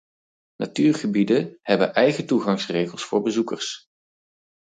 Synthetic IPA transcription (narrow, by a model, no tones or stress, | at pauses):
natyːɹχəbidəhɛbə̰nʔɛjχətuχɑŋsrejχəlˠsfʊːɹbəzukəɹs